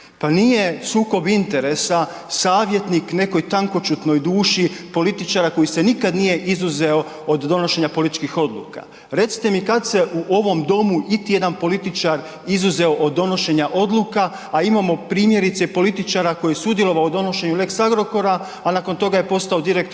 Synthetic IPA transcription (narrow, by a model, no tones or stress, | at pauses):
panije̞suːko̞bint̪e̞ɾe̞sa | saːʋje̞t̪nikne̞ko̞jt̪aŋko̞t͡ʃut̪no̞jd̪uːʃipo̞lit̪it͡ʃaɾako̞jise̞nikad̪nije̞ʔizuzeo̞ | od̪ːo̞no̞ʃe̞ɲapo̞lit̪i̥t͡ʃkixo̞d̪lṵːka̰ | ɾe̞t̪si̥t̪e̞mikat̪se̞ʔuʔo̞ʋo̞md̪o̞muʔit̪ije̞d̪anpo̞lit̪it͡ʃaɾ | izuze̞o̞ʔod̪ːo̞no̞ʃe̞ɲaʔo̞d̪lˠukaː | imamo̞pɾiːmje̞ɾit̪sepo̞lit̪it͡ʃaɾako̞jisud̪je̞lo̞ʋaod̪o̞no̞ʃe̞ɲule̞ksaɡɾo̞ko̞ɾa | anako̞nt̪o̞ɡaje̞po̞st̪aod̪iɾekt̪